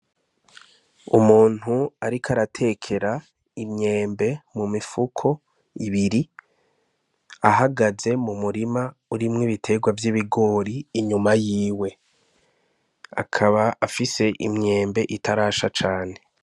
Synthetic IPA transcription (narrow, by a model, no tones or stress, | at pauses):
umuːn̥huaɾikʰaɾatʰe̞kʰe̞ɾa | imɲe̞ːmbe̞mumifukʰo̞ | iβiɾi | aɦaɡaze̞mumuɾima | uɾimŋiːβitʰe̞ɡwavjiβiɡo̞ːɾiːɲumajiːwe̞ | a̰kʰaβaʔafise̞ʔḭmɲe̞ːmbe̞ʔitaɾaːʃat͡ʃaːne̞